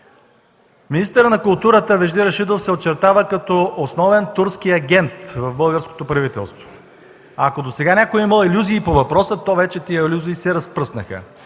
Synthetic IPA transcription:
minist̪əɾənɐkʊlˠt̪uɾət̪əvɛʒd̪iɾɐʃid̪ofsɛot͡ʃɛɾt̪avəkɐt̪ɔosnɔvɛnt̪uɾskiɐɡʲɛnt̪vɐvbɤlˠɡəɾsko̥t̪opɾɐvit̪ɛ̰lˠst̪vo̥ | akod̪osɛɡanʲakojimɐlˠilʲuziːpovɐpɾɔsət̪ɔvɛt͡ʃɛt̪ijəilʲuzoisɛɾɐspɾɤsnəxə̰

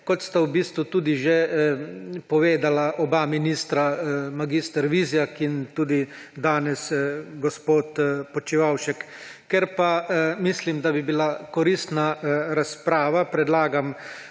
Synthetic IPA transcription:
kɔt̪st̪awbiːst̪ʋut̪uːd̪iʒe | pɔʋeːd̪alaʔɔbaminist̪ɾamaɡist̪ɛɾʋiːzijakint̪uːd̪id̪aːnɛsɡɔspoːt̪pɔt͡ʃiʋawʃɛkːɛɾpamislimd̪abibilakɔɾist̪naɾaspɾaːʋapɾɛd̪laːɡam

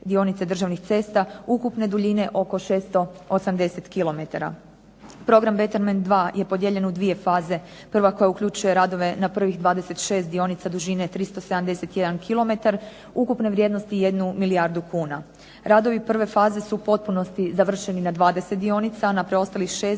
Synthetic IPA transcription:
d̪io̞nit̪sed̪r̩ʒaʋnixt̪se̞ːst̪aukupne̞d̪uʎine̞ʔo̞ko̞ʃe̞ːst̪o̞osamd̪e̞se̞t̪kilo̞me̞t̪aɾa̰ | pɾo̞ɡɾambe̞t̪eɾmend̪ʋaːje̞po̞d̪je̞ʎe̞nud̪ʋije̞faːze̞ | pr̩ʋako̞jaukʎʲut͡ʃuje̞ɾad̪o̞ʋe̞napr̩ʋixd̪ʋaːd̪ese̞t̪ʃe̞ːst̪̚d̪io̞nit̪sad̪uʒine̞t̪ɾist̪osamd̪e̞se̞t̪je̞d̪ankʰilo̞me̞t̪aɾ | ukupne̞ʋɾjed̪no̞st̪ije̞d̪numilijaɾd̪ukuːna̰ | ɾad̪o̞ʋipr̩ʋe̞faːzesupo̞t̪̚puno̞st̪izaʋr̩ʃe̞ninad̪ʋaːd̪e̞set̪̚d̪io̞nit̪saːnapɾeo̞st̪alixʃe̞ːs

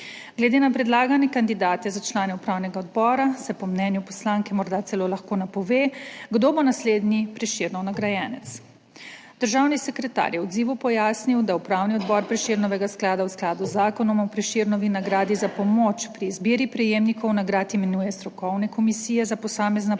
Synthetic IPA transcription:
ɡlɛd̪eːnapɾɛd̪laːɡanɛkand̪id̪aːt̪ɛzat͡ʃlaːnɛupɾaːwnɛɡaɔd̪bɔːɾasɛpɔmnɛnjupɔslaːŋkɛmɔɾd̪at̪sɛloːlaxkoːnapɔʋeːɡd̪obonasleːd̪nipɾɛʃiɾnɔwnaɡɾajɛːnɛt̪s | d̪̥əɾʒawnisɛkɾɛt̪a̰ːɾjɛɔd̪ziːʋupɔjaːsniwd̪aupɾaːwniɔd̪bɔɾpɾɛʃiːɾnɔʋɛɡasklaːd̪awsklaːd̪uzːaːkɔnɔmɔpɾɛʃiɾnɔʋinaɡɾaːd̪izapɔmot͡ʃpɾiːzbiːɾipɾɛjeːmnikɔwnaɡɾaːt̪imɛnuːjɛst̪ɾɔkɔwnɛkɔmisiːjɛzapɔsaːmɛzna

